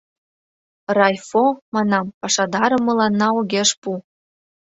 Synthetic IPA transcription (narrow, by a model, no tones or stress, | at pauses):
rɑjfomɑnɑmpɑʃɑd̪ɑɾɤ̆mɤ̆lɑnːɑoɣʲeʃpu